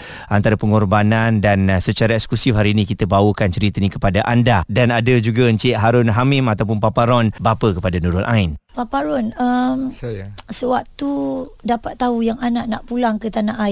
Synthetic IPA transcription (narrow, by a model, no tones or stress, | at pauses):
ʔant̪aɾapəŋɔrbanandansət͡ʃaɾaɛkskusifhaɾiːnĩkit̪abawəkant͡ʃəɾit̪ənĩkə̥padaʔandadanadad͡ʒuɡaɲt͡ʃʔ̪ɦaɾʊnɦamɪmat̪awpʊnpapaɾɔnbapəkəpadanuɾʊlʔa̰ɪnpapaɾɔnəm | səwak̚t̪udapat̪ːaujaŋanaʔnaʔpulaŋkət̪anaʔa